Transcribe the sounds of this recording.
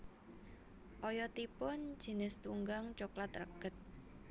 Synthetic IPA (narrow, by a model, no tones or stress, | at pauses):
ʔɔjɔt̪ipʊnd̥ʒ̥i̤nɪst̪uŋɡaŋt͡ʃoklat̪rə̰ɡ̥ət̪̚